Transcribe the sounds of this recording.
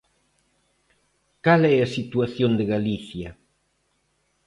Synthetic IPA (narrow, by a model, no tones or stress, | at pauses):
kalɛasit̪uaθjond̪ɪɣaliθjɐ